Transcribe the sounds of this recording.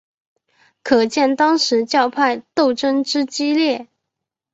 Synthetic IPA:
kʰɤ˨˩t͡ɕjɛ˥˩nt̪ɑ˥ŋʂɻ̩˧˥t͡ɕjɑ˥˧ʊpʰa˥˧ɪt̪o˥˩ʊʈ͡ʂə˥ŋʈ͡ʂɻ̩˥t͡ɕi˥ljɛ˥˩

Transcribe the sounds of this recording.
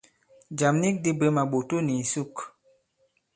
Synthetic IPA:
d͡ʒa˨mni˦k̚di˦be˨˦ma˨ɓo˨to˦ni˨su˦k

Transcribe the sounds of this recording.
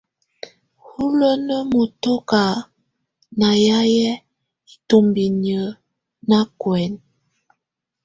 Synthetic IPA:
hu˦lə˦nə˦mo˨to˦ka˨ | na˨ja˦jɛ˦ | i˦to˨mbi˨nə˨ | na˦kwɛ˨n

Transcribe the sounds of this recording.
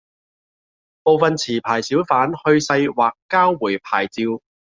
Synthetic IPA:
po˨wfɐ˨nt͡sʰiː˨˩pʰaː˨˩jsiː˨˥wfaː˨˥nhɵ˧ɥsɐ˧jwaː˨kːaː˥wːuː˨˩jpʰaː˨˩jt͡siː˧w

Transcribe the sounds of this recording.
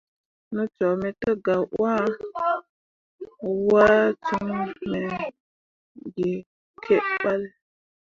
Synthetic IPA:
nə˦t͡ʃɔ˨me˨tə˦ɡa˨ʔwa˦ | wa˦t͡su˦ŋme˨ | ɡe˨ | kʰe˦ʔɓa˦l

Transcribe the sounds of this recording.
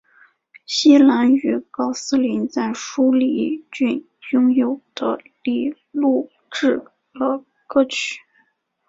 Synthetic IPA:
ɕi˥la˧˥ny˧˥kɑ˥ʊsɹ̩˥li˧˥nt͡sa˥˩ɪʂu˥li˧˥t͡ɕy˥˩n | jʊ˥ŋjo˨˩ʊd̪̥ə̰˦li˥˩ | lu˥˩ | ʈ͡ʂɻ̩˥˩ | lə˧˥ | kɤ˥˧t͡ɕʰy̥˨˩˦

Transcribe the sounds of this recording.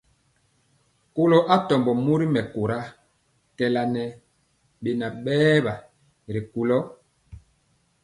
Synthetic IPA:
ko˦lo˦ʔa˦tɔ˨mbɔ˨mu˦ɾi˦mɛ˨ko˨ɾa˦ | kɛ˨la˨nɛ˨ | ɓe˨na˨ɓɛː˦ba˨ | ɾi˨ku˨lɔ˦

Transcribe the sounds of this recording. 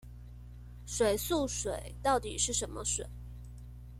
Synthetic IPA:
ʂwe˨˩ɪsu˥˩ʂwe˨˩˦ɪt̪ɑ˥˩ʊt̪ḭ˨˩ʂɻ̩˥˩ʂə˧˥nmə̰˧ʂwe˨˩˦ɪ

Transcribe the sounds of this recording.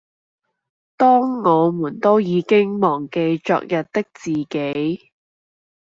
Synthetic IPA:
t̪ɔː˥ŋːɔː˨˧muː˨˩nt̪o˥wjiː˨˧kɪ˥ŋmɔː˨˩ŋke˧jt͡ʃɔ̰ː˧k̚jɐ˨t̪̚t̪ɪ˥k̚t͡siː˨˩ke˨˥j

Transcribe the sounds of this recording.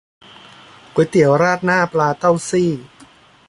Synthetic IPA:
ku˨˩˦jt̪i˨˩˦əwɾaː˥˩t̪̚naː˥˩plaː˧t̪a˥˩wsiː˥˩

